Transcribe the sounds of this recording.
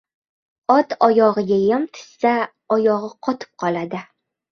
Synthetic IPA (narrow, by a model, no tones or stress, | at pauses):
ɒt̪ɒjɒʁɨɡʲajamt̪ʰɪ̥sːa | ɒjɒʁɨqʰɒt̪ʰɪ̥p̚qʰɒlˠad̪ɪ